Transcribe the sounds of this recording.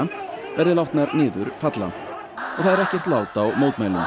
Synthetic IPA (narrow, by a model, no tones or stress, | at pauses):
vɛɾðɪlawht̪naɾnɪːðʏɾfat̪la̰n | ɔɣθaðɛɾɛhcjɛr̥t̪laːwt̪awmoːwt̪majlʏ̰m